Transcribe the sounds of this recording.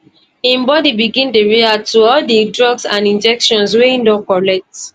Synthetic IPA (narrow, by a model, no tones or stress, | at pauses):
ĩmbɔdibiɡĩndeɹeatuɔldidɹɔɡsãnĩnd͡ʒɛkʃɔ̃nsweĩndɔ̃kɔlɛk̚t